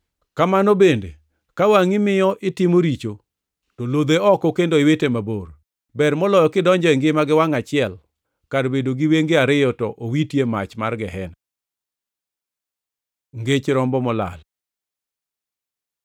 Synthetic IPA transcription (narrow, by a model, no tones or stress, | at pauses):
kamanobendḛ | kawaŋɪmɪjɔʔɪtɪmoɾit͡ʃo | tolod̪eɔkɔkendoɪwetemabor | bɛrmɔlɔjɔkɪdɔɲd͡ʒɔɛŋɡɪmaɡɪwaŋat͡ʃɪɛl | kadbedoɡɪweŋɡeaɾɪjɔtɔʔowitjemat͡ʃma̰rɡɪɦɛna | ŋɡet͡ʃɾɔmbɔmɔla̰l